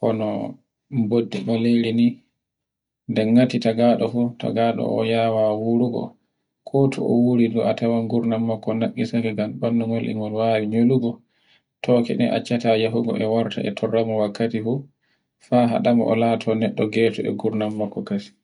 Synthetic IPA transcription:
ʔɔnɔ | mbodːibaleɾini | ndɛŋːatitaɡaɗɔfuta̰ɡaɗɔ̰ɔ̰jawawuɾuɡɔ̰ | kʰɔtʰɔ̰ʔɔ̰wuɾiduʔatawanɡuɾnamːakːɔnakːisakɛɡambanːuŋɡɔlʔḭŋɡɔnwaːwiɲoluɡɔ | tɔːkɛ̰ɗɛ̰ʔa̰t͡ʃːatajaɦuɡɔ̰ʔɛwaɾtʰa̰ʔɛ̰tʰɔrːamɔwakːatifu | faɦa̰ɗamɔ̰ʔɔ̰latʰɔnɛɗːɔɡɛtɔɛ̰ɡuɾnamːakːɔkasi̥

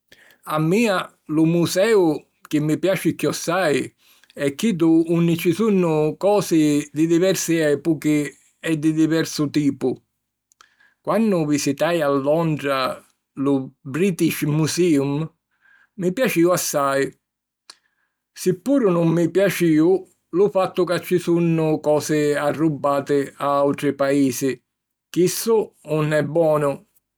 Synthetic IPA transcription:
amːiːa | lʊmusɛːʊ | k̟ɪmːɪpjaːt͡ʃɪkːjɔsːaj | ɛkːid̪ʊunːɪt͡ʃɪsunːʊkɔːsɪd̪ɪd̪ivɛɾsɪɛːpʊkɪ | ɛd̪ɪd̪ivɛɾsʊt̪iːpʊ | kwanːʊvisit̪ajalːɔnd̪ɾa | lʊbɾiːt̪iʃmusiːumː | ɪpjat͡ʃiːʊasːaj | sɪpːuːɾʊnʊmːɪpjat͡ʃiːʊ | lʊfat̪ːʊkat͡ʃːɪsunːʊkɔːsɪarːubːaːt̪ɪaawt̪ɾɪpaiːsɪ | k̟isːʊʊnɛbːwɔːnʊ

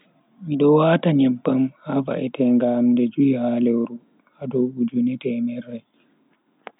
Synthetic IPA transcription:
miɗɔwaːtaɲɛmpːamhava̰ʔɛtɛŋɡaːmdɛd͡ʒuihaːlɛwɾu | hadɔud͡ʒunɛtɛmɛɾaj

